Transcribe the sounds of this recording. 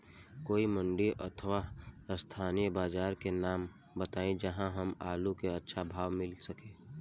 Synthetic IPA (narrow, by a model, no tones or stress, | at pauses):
koːimə̃ɳɖiʔət̪ʰəʋast̪ʰaːnijəbaːd͡ʒaːɾkenaːm | bət̪aːẽd͡ʒɐɦãɦɐmaːlukeɐtːʃʰabʱaːʋmɪlsəkẽː